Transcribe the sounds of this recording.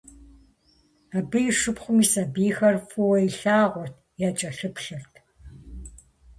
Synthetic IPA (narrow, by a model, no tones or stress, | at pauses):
abɨjɪʂɨpχʷʊmiːsɐbiːxɐrfʊwɔiɬaːʁʷɔrtʰjaːt͡ʃʼɐɬɨpɬɨrtʰ